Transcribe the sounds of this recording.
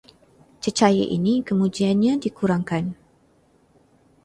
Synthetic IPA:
t͡ʃət͡ʃaja̰ʔḭnikəmũd͡ʒianɲãdikuɾaŋkan

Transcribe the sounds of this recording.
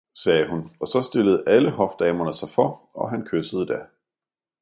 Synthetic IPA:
sɛːhunɒ̽sɒ̽sd̥e̝ləð̞̩ˠʔæləɦɒ̽fd̥ɛːmɐnəsɑ̈ɪfɒ̽ɒ̽ɦænkʰøsəð̞̩ˠd̥æ

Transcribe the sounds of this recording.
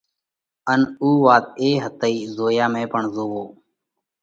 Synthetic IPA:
ənuːʋaːt̪̚eːɦət̪əiːzoːjaːmẽːpəɳzoːʋoː

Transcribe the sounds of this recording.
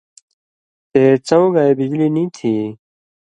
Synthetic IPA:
t̪eːt͡sɐ̃w̃ɡaebid͡ʑliːnĩːt̪ʰiː

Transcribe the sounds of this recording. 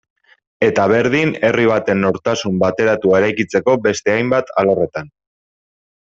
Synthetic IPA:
e̞t̪aβ̞e̞ɾðine̞riβ̞at̪e̞nːo̞ɾt̪asumbat̪e̞ɾat̪uae̞ɾajkit͡se̞ko̞be̞st̪e̞ajmbat̪alore̞t̪an

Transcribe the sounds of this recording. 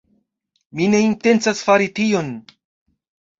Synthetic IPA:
mine̞inte̞nt͡sasfaɾitio̞n

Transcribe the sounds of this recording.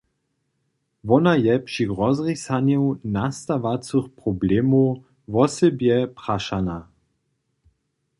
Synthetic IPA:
ʋɔnajɛpʂiʁɔzʁisanjɛwnast̪aʋat͡sɨxprɔblɛːmo | vɔsɛbjɛpɾaʃana

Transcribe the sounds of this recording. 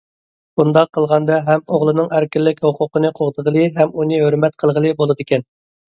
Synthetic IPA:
b̥und̪ɑqʰːəlˠʁɑnd̪ɑɦɛmoʁlˠɨnɨŋæɾkʲɪlːɪkʲhoqʰʊqənɨqʰoʁd̪əʁəlˠɨɦɛmunɨɦøɾmɛt̪qʰəlˠʁəlˠɨbolˠɨd̪ɪkʲɛn

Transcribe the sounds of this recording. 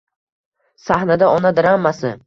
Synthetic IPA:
sahnad̪aɒnad̪ɪɾamːasɪ

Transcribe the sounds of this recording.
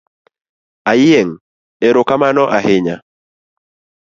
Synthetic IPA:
ajɪeŋ | eɾokamanɔʔahɪɲa

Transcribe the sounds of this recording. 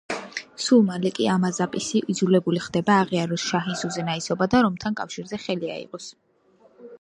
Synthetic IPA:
sulˠmalɛkʼiamazapʼisiʔid̪zulɛbuliχd̪ɛbaːʁiaɾɔsʃaɦinsuzɛnaisɔbad̪aɾɔmt̪ʰankʼafʃiɾzɛχɛlia̰ḭqʼɔs

